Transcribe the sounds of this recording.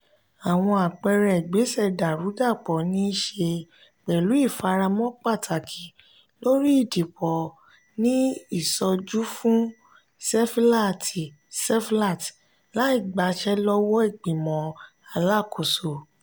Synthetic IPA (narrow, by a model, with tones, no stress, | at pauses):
a˨w̃ɔ̃˧a˨k͡pɛ˧ɾɛ˨ɡ͡be˨˦sɛ˦˨da˨ɾu˨˦ɡa˦˨k͡pɔ˨nĩ˦ʃe˧ | k͡pɛ˨lu˨˦i˦˨fa˧ɾa˧mɔ̃˦k͡pa˦˨tʰa˨kʰi˨ | lo˦ɾi˦i˦˨di˨k͡pɔ˨ | nĩ˦i˦˨sɔ˧d͡ʒu˦fũ˦ | sɛ˦fla˦˨ti˨ | sɛ˦fla˦˨t | la˨˦i˦˨ɡ͡ba˨˦ʃɛ˦lɔ˦wɔ˦i˦˨ɡ͡bĩ˨mɔ̃˨ | a˧˨la˦˨kʰo˨so˨